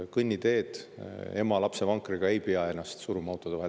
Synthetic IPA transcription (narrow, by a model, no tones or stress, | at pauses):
kɯnʲːid̪e̞ːd̪̥e̞mɑlɑpse̞vɑŋkːˑriɡ̥ɑe̞jpeɑe̞nːɑst̪suɾumɑwt̪ːˑod̥̪ɑvæ